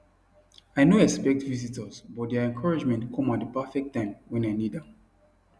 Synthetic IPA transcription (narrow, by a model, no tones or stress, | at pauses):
aɪnoɛkspɛk̚tvizitəsbɔtdɛaɛ̃nkʰɔɹid͡ʒmɛ̃ntkʰɔ̃mɔ̃ndəpafɛk̚tːãɪ̃mwɛ̃naɪnida